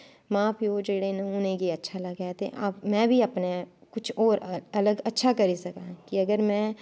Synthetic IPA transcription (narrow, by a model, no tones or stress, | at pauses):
maːpʰjoːd͡ʒeːɽenɐʊnẽkiɐtːʃʰaləɡat̪ḛʔa̰bmɛ̃ːbʱiəpnekʊt͡ʃʰɔːɾɐləɡɐtːʃʰakɐɾisɐkakiɐɡəɾmɛ̃ː